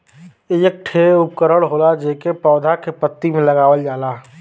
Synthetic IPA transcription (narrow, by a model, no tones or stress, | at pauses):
ejək̚ʈʰeʊp̚kəɾəɽɦoːlad͡ʒeːkepɔːd̪ʱakepət̪ːimẽləɡaːʋəld͡ʒaːlaː